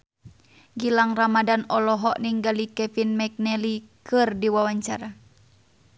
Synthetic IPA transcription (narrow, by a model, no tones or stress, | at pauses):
ɡilaŋramadanɔlɔɦɔʔniŋɡalikɛfinmɛk̚nɛlikɨrdiwawaɲt͡ʃaɾa